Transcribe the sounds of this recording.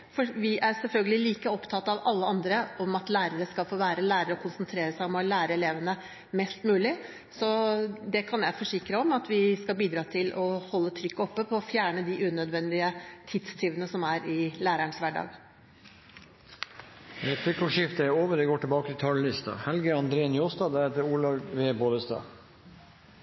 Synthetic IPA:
fɔɾʋɪʔæɾsɛlfœlɡəlɪliːkəɔpt̪ʰɑt̪ːɑʋɑlːəɑnd̪ɾəɔmɑt̪læːɾəɾəskɑfoːʋæːɾəlæːɾəɾɔkʰʊnsənt̪ʰɾeːɾəsæɪɔmɑlæːɾəɛleːʋənə | mɛst̪mʉːlɪ | sɔd̪ɛkʰɑnjæɪfɔʂɪkɾəɔmɑt̪ʋɪskɑlbiːd̪ɾɑːt̪ʰɪlʔɔhɔlːət̪ʰɾʏkːɔpːəpʰɔːfjæːɳəd̪ɪʔʉːnœd̪ʋɛnd̪ɪət̪ʰɪt̪st̪ʰɪːʋənəsɔmæɾɪlæːɾæɳsʋæɖɑ̰ːɡ | ɛt̪ʰɪkɔʂɪft̪əæɾoːʋəɾd̪ɛɡoːʈɪlbɑːkət̪ʰɪt̪ʰɑllɪst̪ɑ̰hɛlɡəɑnd̪ɾeːnjoːst̪ɑːd̪æɾheːt̪əɾuːlɑʋʋeːboːd̪əst̪ɑ̰ː

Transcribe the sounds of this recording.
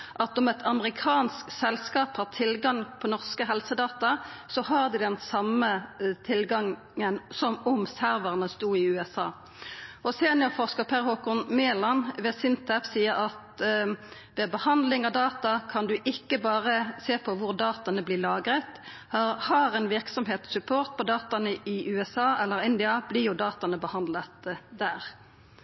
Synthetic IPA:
ʔɑt̪ɔmɛt̪ʰɑməʁɪkʰɑːnsksɛlskɑːphɑʁt̪ʰɪlɡɑŋpʰɔnɔʁskəɦɛlsəd̪ɑːt̪ɑsɔɦɑʁd̪ɪd̪ɛnsɑmət̪ʰɪlɡɑŋ | ənsɔmʊmsæʁʋəʁnəst̪uːɪʉːɛsɑː | ɔseːnɔfɔʁskəpʰæʁhoːkɔnmeːlɑnʋɛːsɪnt̪ɛfsiːəʁɑt̪ | ʋɛbəhɑnd̪lɪŋɑʋd̪ɑːt̪ɑkʰɑnd̪ʉʔɪkːəbɑːʁəseːpʰɔʋʊʁd̪ɑːt̪ɑnəblɪːlɑːɡɾət̪ | hɑhɑːʁɛnʋɪʁksɔmɦeːt̪sʉpʰoːʁt̪̚pʰɔd̪ɑːt̪ɑnəɪʔʉːɛsɑːɛlːəɾɪnd̪ɪɑb̥lɪʁjʊd̪ɑːt̪ɑnəbəhɑnd̪lət̪d̪æːʁ

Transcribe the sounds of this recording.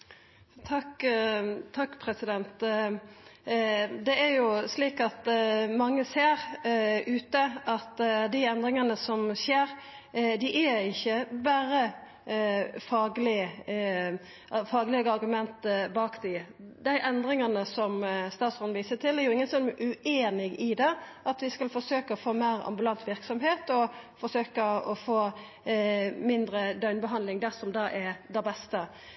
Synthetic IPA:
t̪ʰɑk | t̪ʰɑkːpʰɾɛsɪd̪ɛnt̪ | d̪ɛæɾjʊsliːkɑt̪mɑŋːəseːɾʉːt̪əɑt̪d̪ɪɛnd̪ɾɪŋənəsɔmseːɾ | d̪ɪʔæɪçːəbæːɾə | fɑːɡlɪ | ʔfɑːɡlɛɡəɑɾɡʉmɛnt̪bɑːkd̪ɪ | d̪æɪʔɛnd̪ɾɪŋɑnəsɔmst̪ɑːt̪sɔnʋiːsət̪ʰɪlɛɾjʊɪŋːənsɔnʔʉeːnɪɡɪd̪ɛʔɑt̪ʋɪskɑlfɔɾsøːkəɔfoːmæɪɾɑ̰mbʉlɑnt̪ʰʋɪɾksɔmɦeːt̪ɔfɔɾsøːkəɔfoː | mɪnd̪ɾəd̪œʏnbəɦɑnlɪŋd̪æɾsɔmd̪ɑːʔɛd̪æbɛst̪ə

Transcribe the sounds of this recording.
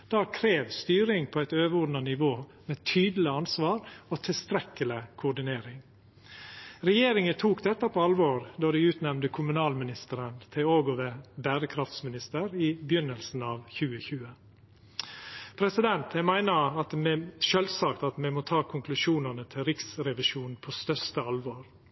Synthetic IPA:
d̪̥ɑːkʰɾeːʋst̪yːɾɪŋpʰɔæɪt̪øːʋəɔɖnɑnɪʋoːmeːt̪ʰyːd̪l̩ɪɑnsʋɑːɾot̪ʰɪlst̪ɾɛkːəlɪkʰʊʊɖɪneːɾɪŋ | ɾɛjeːɾɪŋət̪ʰuːkd̪ɛt̪ːəpʰoːɑlʋoːɾd̪oːɖ̪ɪʉːt̪nɛmnd̪əkʰʊmʉnɑːlmɪnɪst̪əɾənt̪ʰɪoːɡɔʋəbæːɾəkʰɾɑft̪smɪnɪst̪əɾɪbjʏnːəlsn̩ɑːʋçʉːəçʉːə | pʰɾɛsɪd̪ɛnt̪æmæɪnəɑt̪mɛʃøːlsɑkt̪ɑt̪mɛmoːt̪ʰɑːkʰʊŋklʉʂuːnənət̪ʰɪlɾɪksɾɛʋɪʃuːnn̩pʰoːst̪œɾst̪əɑlʋoːɾ

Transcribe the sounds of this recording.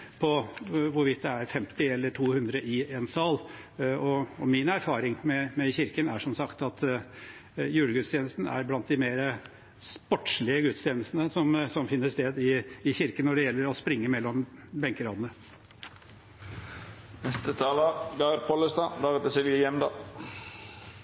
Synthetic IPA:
pʰɔʋʊɾʋɪt̪̚d̪ɛæɾfɛmt̪ɪɛlːəʈʰuːhʉnd̪ɾəʔɪɛnsɑːl | ɔɔmɪnæɾfɑːɾɪŋmɛmɛçɪɾkənæʂɔmsɑkt̪ɑt̪ | jʉːləɡʉt̪st̪ʰjeːnəst̪nəæ̰ɾblɑnt̪̚d̪ɪmeːɾə | spɔʈːʂɭɪəɡʉt̪st̪ʰjeːnəst̪nəsɔmsɔmfɪnːəst̪eːd̪ɪːçɪɾkənɔɖɛjɛlːəɾɔspɾɪŋːəmɛlːɔmbɛŋkəɾɑːd̪ənə | nɛst̪ət̪ʰɑːlɑɡɑɾpʰɔləst̪ɑːd̪ɑːɡɛt̪əsɛʋijɛmd̪ɑː

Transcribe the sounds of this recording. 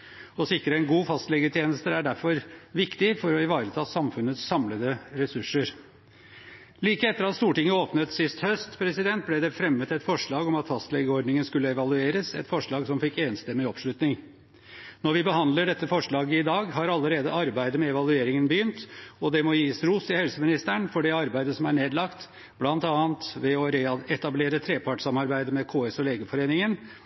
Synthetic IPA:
ɔsɪkɾəɛnɡuːfɑst̪lɛɡət̪ʰjeːnəst̪əæɖæɾfɔɾʋɪkt̪ɪfɔɾɔɪʋɑːɾət̪ʰɑːsɑmfʉnːət̪sːɑmləd̪əɾɛsʉʂəɾ | liːkəɛt̪ːəɾɑt̪st̪uːʈɪŋːəoːpnət̪sɪst̪hœst̪pʰɾɛsɪd̪ɛnt̪̚blɛd̪ɛfɾɛmːət̪ɛt̪fɔʂɭɑːɡɔmɑt̪fɑst̪lɛɡəɔɾɖ̪nɪŋənskʉlːəɛʋɑlʉeːɾəsɛ̰t̪fɔʂɭɑːɡsɔmfɪkːeːnst̪ɛmːɪɔpʂɭʉt̪nɪŋ | nɔɾʋɪbəɦɑnd̪ləɖɛt̪ːəfɔʂɭɑːɡəɪd̪ɑːɡɦɑɾɑlːəɾeːd̪əɑɾbæɪd̪əmɛɛʋɑlʉeːɾɪŋənbəjʏnt̪ɔd̪ɛmɔjiːsɾuːsɪhɛlsəmɪnɪst̪æɳfɔɖɛɑɾbæɪd̪əsɔmæɳeːd̪lɑkt̪ | b̥lɑnt̪ɑːnt̪ʋɛɔɛt̪ɑbleːɾət̪ʰɾeːpʰɑʈsɑmɑɾbæɪd̪əmɛkʰoːesɔleːɡəfɔɾeːnɪŋən

